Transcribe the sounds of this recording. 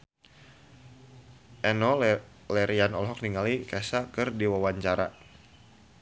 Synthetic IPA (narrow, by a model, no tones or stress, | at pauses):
ʔɛnɔ | lɛɾianɔlɦɔk̚niŋalikɛsakɨrdiwawaɲt͡ʃaɾa